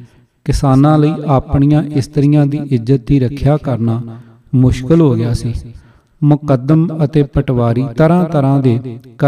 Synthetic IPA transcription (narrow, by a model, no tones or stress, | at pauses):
kɪsaːnãːləiːʔaːpɳijãːʔɪst̪əɾɪjãːd̪iːʔɪzːət̪ːiːɾəkʰjaːkəɾnaː | mʊʃkɪlɦoːɡɪjaːsiː | mʊkəd̪əmət̪eːpəʈʋaːɾiːt̪əɾãːt̪əɾãːd̪eːkə